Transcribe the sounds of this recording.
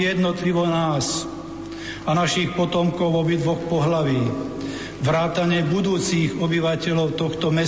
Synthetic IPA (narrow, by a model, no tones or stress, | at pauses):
jɛd̪nɔt̪liʋɔnaːs | anaʃiːxpɔt̪ɔmkɔʊɔbid̪ʋɔxpɔɦlaʋiː | ʋɾaːt̪aɲɪɛbud̪uːt͡siːɣɔbiʋacɛlɔʊt̪ɔxt̪ɔmɛ